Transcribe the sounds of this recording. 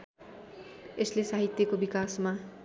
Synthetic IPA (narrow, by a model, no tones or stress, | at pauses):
eslesaɦit̪jʌkobikasma